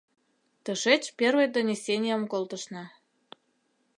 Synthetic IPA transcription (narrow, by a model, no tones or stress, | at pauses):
t̪əʃet͡ɕpʲervəjd̪onʲesʲenʲijəmkolt̪əʃnɑ